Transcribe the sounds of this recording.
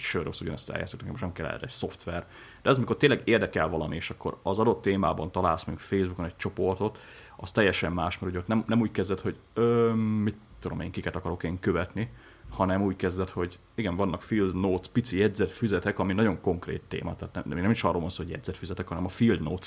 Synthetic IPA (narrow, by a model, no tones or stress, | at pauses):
ʃøːɾosuɟɒ̰nɛst̪ɛ̰lja̰ːt̪sok̪t̪ɛkɛmoʃnɛkɛlːɛ̰ɛ̰ɾɛcso̞ft̪ʋɛr | d̪̥ɛɛzɒmiko̞rt̪eːnlɛɡeːrd̪ɛkɛlvɒlɒmieːʃɒkːo̞̰ɾɒzɒd̪o̞t̪ːeːma̰ːbɒnt̪ɒlaːlsmɛukfeːzbukonɛc̚t͡ʃo̞po̞rt̪o̞t̪ | ɒst̪ɛjːɛʃɛmːaːʃmɛɾuɟɛot̪nɛmnɛmuːckɛzd̪ɛt̪ho̞ɟøːmit̪ːud̪omḛːŋkikɛt̪ɒkɒɾo̞keːŋkøvɛt̪ni | hɒnɛmuːckɛzd̪ɛt̪ho̞ɟ | iɡɛɱvɒnːɒkfild̪noːt̪spit̪sijɛdzɛt̪fyzɛt̪ɛkɒminɒɟo̞ŋko̞ŋkrḛːt̪ːḛːmɒ̰t̪ɛaːt̪nɛinɛmiʃɒroːlvonsoːɦoɟjɛ̰d̪zɛt̪fyzɛt̪ɛkhɒnɛmɒfild̪noːt̪s